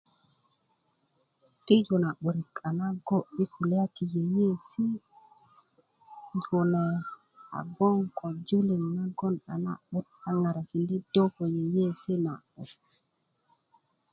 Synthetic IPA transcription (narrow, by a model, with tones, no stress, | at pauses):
ti˦d͡ʒu˨na˨ɓu˨ɾi˨ka˨na˦ɡo˦ɓi˦ku˨la˦ti˨je˨je˦si˦ | d͡ʒu˨ne˨ | a̰˨bɔ˦ŋko˨d͡ʒu˦li˨mna˦ɡɔ˦nɗa̰˨na̰˦ɓu˦t̚a˨ŋa˨ɾa˨ki˨ndi˦do˦ko˨je˨je˦si˦na̰˨ɓṵ˨